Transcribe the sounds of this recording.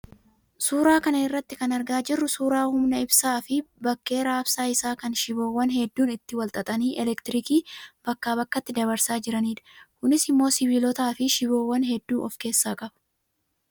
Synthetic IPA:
suːɾaːkɐnɐɪrːɐt̪ːɪkɐnɐɾɡaːd͡ʒɪrːʊsuːɾaːhʊmnɐɪbsaːfɪbɐkːe̞ːɾaːbsaːɪsaːkɐnʃɪbo̞ːwːɐnɦɛd̪ːuːnɪt̪ːɪwɐlt̪ʼɐt̪ʼɐniːʔɛlɛkt̪ɪɾɪkiːb̥ɐkːaːbɐkːɐt̪ːɪd̪ɐβɐɾsaːd͡ʒɪɾɐniːd̪ɐ̥kʊnɪsɪmːo̞ːsɪbiːlɔt̪aːfɪʃɪbo̞ːwːɐnɦɛd̪ːuːʔɔfke̞ːsːaːkʼɐbɐ̥

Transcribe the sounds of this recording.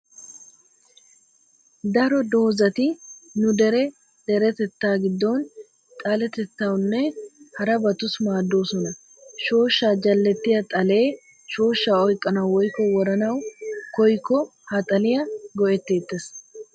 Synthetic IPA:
d̪ɐɾɔd̪o̞ːzɐt̪ɪnʊd̪ɛɾɛ | d̪̥ɛɾɛt̪ɛt̪ːaːɡɪd̪ːoːn | t̪ʼɐlɛt̪ɛt̪ːawnːɛhɐɾɐbɐt̪ʊsmaːd̪ːo̞ːsɔnɐ | ʃo̞ːʃːaːd͡ʒɐlːɛt̪ːɪjɐt̪ʼɐle̞ː | ʃo̞ːʃːaːɔjkʼːɐnɐwwɔjkɔwɔɾɐnɐwkɔjkːɔhɐt̪ʼɐlɪjɐɡɔʔɛt̪ːe̞ːt̪ːɛs

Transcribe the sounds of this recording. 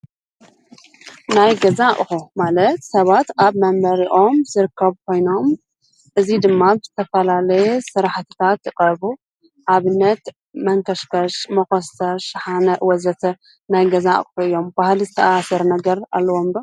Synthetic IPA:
najɡɐzaʔʼxumalɐt̪sɐβat̪ʔaβmɐmbɐɾiʔo̞mzɨɾɨkʰːɐβkʰo̞jno̞m | ʔɨzid̪ɨmːazɨt̪ʰɐfɐlalɐjusɨɾaħt̪ʰɨ̥t̪ʰat̪jɨqʼɐβu | ʔaβɨnːɐt̪ | mɐŋkʰɐʃfɐʃmɐxosɐʃħanɐʔwɐzɐt̪ʰɐ | najɡɐzaʔʼxuɨjːo̞mbahlizɨt̪ʰɐʔasɐɾnɐɡɐɾa̰lːɐwo̞mbɐ

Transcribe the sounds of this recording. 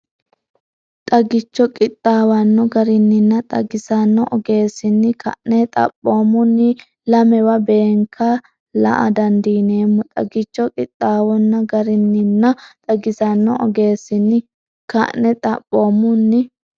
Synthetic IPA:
t̪ʼɐɡɪt͡ʃːɔkʼɪt̪ʼːaːwɐnːɔɡɐɾɪnːɪnːɐt̪ʼɐ̰ɡɪsɐnːɔʔɔɡe̞ːsɪnːɪkʰɐ̰ʔnɛt̪ʼɐ̰pʼːo̞ːmːʊnːɪ | lɐmɛwɐbe̞ːŋkʰːɐ | lɐ̰ʔɐ̰d̪ɐnd̪iːneːmːʊt̪ʼɐ̰ɡɪt͡ʃːɔkʼɪt̪ʼːaːwɔnːɐɡɐɾɪnːɪnːɐt̪ʼɐɡɪsɐnːɔɔ̰ɡe̞ːsɪnːɪ | kɐ̰ʔnɛt̪ʼɐ̰pʼːo̞ːmːʊnːɪ

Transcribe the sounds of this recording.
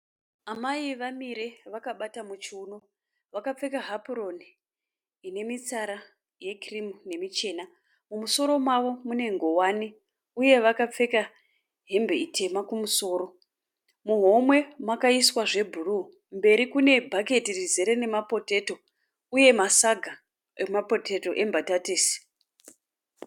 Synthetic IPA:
amaiʋamiɾe̞ʋakaɓatamut͡ʃuːno̞ | ʋakap͡fe̞kaɦapuro̞ni | ine̞mit͡saɾa | je̞krimune̞mit͡ʃe̞ːna | mumuso̞ɾo̞mwaʋo̞mune̞ŋɡo̞wane | uje̞ʋakap͡fe̞ka | ɦe̞mbeitʰe̞makumuso̞ːɾo̞ | muɦo̞mwe̞makaiswaʐe̞bʱuru | mbe̞ɾikune̞bʱake̞tirizeɾene̞mapo̞te̞to̞ | uje̞masaɡʱa | emapoteto̞ʔe̞mbʱatateːsi̥

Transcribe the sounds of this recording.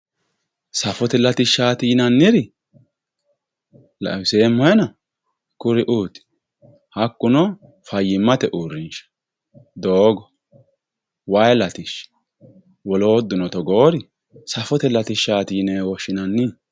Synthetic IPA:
sɐfɔt̪ɛlɐt̪ɪʃaːt̪iːnɐnːɪɾɪ | l̰seːmːɔjɛnɐ | kʊɾɪʔuːt̪ɪ̥ | hɐkːʊnɔ | fɐjːɪmːɐt̪ɛʔuːɾːɪnʃɐ̥ | d̪oːɡɔ | wɐjlɐt̪ɪʃ | wɔloːd̪ːʊnɔt̪ɔɡoːɾɪ | sɐfɔt̪ɛlɐt̪ɪʃːaːt̪iːneːwɔʃɪnɐnːɪ

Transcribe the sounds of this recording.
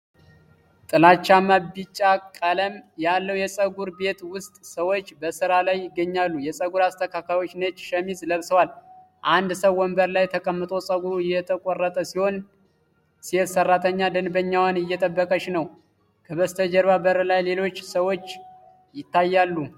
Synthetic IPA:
t̪ʼɨlat͡ʃːamabit͡ʃʼːakʼələmjalːəwjɛsʼəɡuɾbe̞t̪wʊst̪ʼsəwo̞t͡ʃːbəsɨɾalajːɪɡːəɲːalːujɛsʼəɡuɾast̪ʰəkʰakʰajo̞t͡ʃːnət͡ʃːʃɛmizʼləβsəwal | ʔand̪səwwːɔmbəɾlajt̪ʰəkʼəmːɨt̪ʼo̞sʼəɡuɾuɪjːɛt̪ʰəkʼɔrːət̪ʼəsiho̞n | siɛsərːat̪ʰəɲːad̪ɨnbəɲːawanɨjːɛt̪ʼəbːəkʼəʃnəw | kʰəβəst̪ʰəd͡ʒəɾβabəɾəlajle̞lo̞t͡ʃːsəwo̞t͡ʃː | jɪt̪ːajːalːu

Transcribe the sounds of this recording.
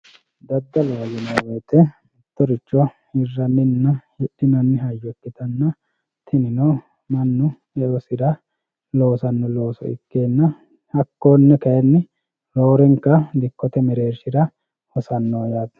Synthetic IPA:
d̪ɐd̪ːɐlɐwɐjɪnɐweːt̪ɛ | ɪt̪ːɔɾɪt͡ʃːɔ | hɪrːɐnːɪnːɐjɪɗːɪnɐnːɪɦɐjːɔkːɪt̪ɐnːɐ | t̪ʰɪnɪnɔ | mɐnːʊ | ɛɔsɪd̪ɐ | lo̞ːsɐnːɔlo̞ːsɔ̰ɪ̰kːe̞ːnːɐ | hɐkːoːnːɛkɐjɛnːɪ | ɾoːɾɛŋkːɐd̪ɪkːɔt̪ɛmɛɾe̞ːɾʃɪɾɐ | hɔsɐnːoːjaːt̪

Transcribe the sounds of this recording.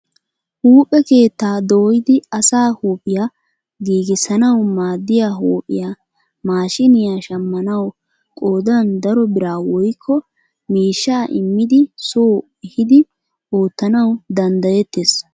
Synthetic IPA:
huːpʼɛke̞ːt̪ːaːd̪oːjɪd̪ɪɐsaːhuːpʼɪja | ɡiːɡɪsɐnɐwmaːd̪ːɪjaːɦoːpʼːɪ̰jaː | maːʃɪnɪjaːʃɐmːɐnɐw | kʼo̞ːd̪ɐnd̪ɐɾɔbɪɾaːwɔjkʰːɔ | miːʃːaːʔɪmːɪd̪ɪsoː | ɛhɪd̪ɪ | oːt̪ːɐnɐwd̪ɐnd̪ɐjɛt̪ːeːs

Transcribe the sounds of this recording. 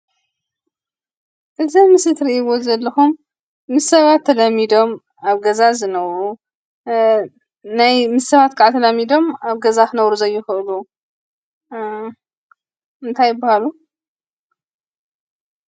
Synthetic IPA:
ʔɨzɐmɨsɨt̪ɾiʔiβo̞zɐlːɐxumː | ɨsɐβat̪ʰːɐlɐmːid̪o̞m | aβɡɐzazɨnɐβɾu | najmɨsːɐβat̪kʰaʕat̪ʰɐlɐmid̪o̞maβɡɐzakɨnɐβɾuzɐjːɪxɨʔɨlu | ʔɨnt̪ʰajːɪbːahalu

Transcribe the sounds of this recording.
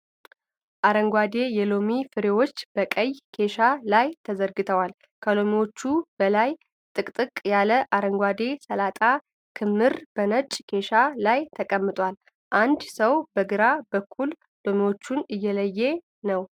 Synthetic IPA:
ʔaɾəŋɡʷad̪e̞jɛlo̞mifɨɾewo̞t͡ʃːb̥əkʼəjkʰe̞ʃalajt̪ʰəzəɾɡɨt̪ʰəwal | kʰəlo̞miwot͡ʃːub̥əlaj | t̪ʼɨkʼt̪ʼɨkʼjaləʔaɾəŋɡʷad̪e̞səlat̪ʼa | kʰɨmːɨɾb̥ənət͡ʃʼkʰe̞ʃalajt̪ʰəkʼəmːɨt̪ʼwal | ʔand̪səwbəɡɨɾabəkʰːul | lo̞miwo̞t͡ʃːunɨjːɛləjːe̞ | nəw

